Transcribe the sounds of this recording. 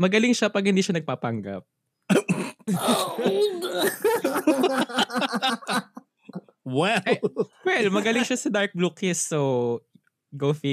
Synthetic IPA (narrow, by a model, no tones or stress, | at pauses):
mɐɡɐlɪŋʃɐpɐɡ̚hɪnd̪iːʃɐnɐɡ̚papɐŋɡɐ̰p̚ | wɛwɛlmɐɡɐlɪŋʃɐsɐd̪aɹk̚blukɪsːo | ɡofi